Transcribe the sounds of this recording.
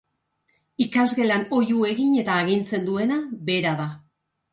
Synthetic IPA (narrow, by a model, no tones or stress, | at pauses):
ikazɣe̞lano̞jue̞ɣiɲe̞t̪aːɣint͡se̞nd̪ue̞nabe̞ɾaða